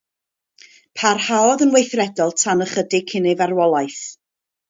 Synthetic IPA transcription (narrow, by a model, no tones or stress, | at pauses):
pʰarhaɔðənwejθrɛdɔlˠtʰanəχədɪkʰɪnɪvarwɔlˠajθ